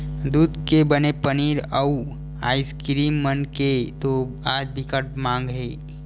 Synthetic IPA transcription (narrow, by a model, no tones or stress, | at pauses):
d̪uːd̪kebənepəniːɾəu | a̰ːɪskɾiːmːənket̪oaːd͡ʒbʱikəʈmãːŋɡɦeː